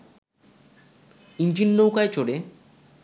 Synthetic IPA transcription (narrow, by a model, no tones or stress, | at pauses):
ind͡ʑinːowkaet͡ɕoɽe